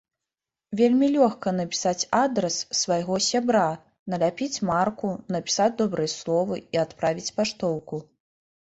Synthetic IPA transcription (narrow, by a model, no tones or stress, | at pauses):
vʲelʲmʲilʲɔxkɐnɐpʲi̥sat͡sʲad̪ɾɛsːvajɣɔsʲabɾa | nɐlʲapʲit͡sʲmarkunɐpʲi̥sad͡zʲd̪ɔbɾɨjɛslˠɔvɨiat̪pɾavʲit͡sʲpaʂt̪ɔwku